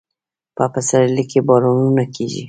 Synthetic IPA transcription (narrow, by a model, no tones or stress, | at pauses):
papasaɾlikebaɾonunakʰeʒḭ